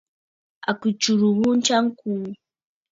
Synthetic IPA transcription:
a˨ku˨t͡ʃu˨ɾu˨ɣu˦nt͡ʃa˦ŋkuː˨

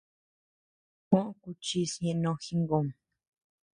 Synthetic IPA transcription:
kõ˦ʔku˧t͡ʃi˧sɲẽ˧ʔnõ˧xi˦ŋɡo˧˨m

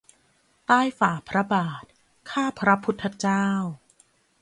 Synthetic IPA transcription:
t̪aː˥˩jfaː˨˩pʰɾa˦˥baː˨˩t̪̚ | kʰaː˥˩pʰɾa˦˥pʰu˦˥t̪ʰːa˧t͡ɕaː˥˩w

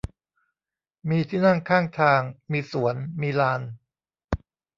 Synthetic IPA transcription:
miː˧t̪ʰiː˥˩na˥˩ŋkʰaː˥˩ŋt̪ʰaː˧ŋmiː˧su˩˦ənmiː˧laː˧n

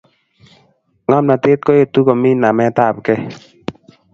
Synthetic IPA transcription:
ŋɔ˦mna˨te˦t̪̚ko˦je˨t̪u˦ko˨mi˦na˨mɛ˦ta˦˨p̚kɛ˦

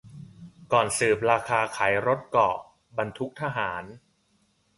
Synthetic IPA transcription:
kɔː˨˩nsɯː˨˩p̚ɾaː˧kʰaː˧kʰaː˩˦jɾo˦˥t̪̚kɔː˨˩ | ba˧nt̪ʰu˦˥k̚t̪ʰa˧ɦaː˩˦n

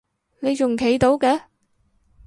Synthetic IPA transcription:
ne˨˧jt͡ʃʊ˨˩ŋkʰe˨˥jt̪o˨˥wkɛː˨˧˥

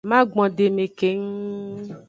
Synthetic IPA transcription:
mã˦ɡ͡bɔ̃˨ɖe˨me˨ke˨˦ŋ˦

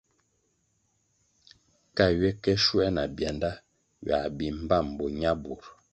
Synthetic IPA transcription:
ka˦˨ɥe˦kɛ˦ʃwɛ˦na˨bjɛ˨nda˦ | ɥa˨bi˨m̩˦ba˦˨m̩˨bo˨ɲa˦bu˨ɾ

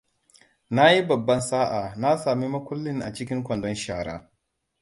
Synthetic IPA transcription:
na˦ji˦bɐ˨bːɐ˦nsaː˦ʔaː˨na˦saː˨mi˦mɐ˦kʷʊ˦lːɪ˦ŋʔa̰˨t͡ʃɪ˦kʲɪ˦ŋkʷɐ˨ndɔ˦nʃaː˨ɽa̰ː˦

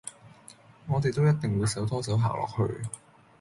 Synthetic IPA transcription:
ŋɔː˨˧t̪e˨jt̪o˥wjɐ˥t̪̚ɪ˨ŋwuː˨˧jsɐ˨˥wt̪ʰɔː˥sɐ˨˥wɦa̰ː˨˩wlʔɔ̰ː˨˩k̚hɵ̰˧ɥ

